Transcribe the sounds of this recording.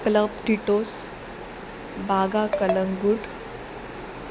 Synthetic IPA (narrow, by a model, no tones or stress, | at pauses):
kləbʈiʈoːs | baːɡakələŋɡuʈ